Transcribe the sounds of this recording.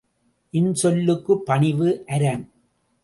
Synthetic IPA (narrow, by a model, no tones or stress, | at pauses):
ʔɪnsɔlːɯkːɯpːɐɳɪʋɯʔɐɾɐn